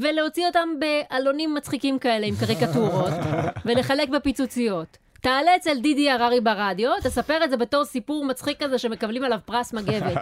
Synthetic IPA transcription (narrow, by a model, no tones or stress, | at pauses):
ve̞leo̞t͡sio̞t̪ambe̞ʔalo̞nimːat͡sχikimkae̞leimkaʁikatuʁo̞tve̞le̞χale̞kbe̞pit͡sut͡sijo̞t̪ː | aːleːt͡seldidiaʁaʁibaʁadjo̞t̪esapeʁeze̞be̞to̞ʁsipuʁmat͡sχikːaze̞ʃe̞me̞kablimalavpʁasmaɡe̞ve̞t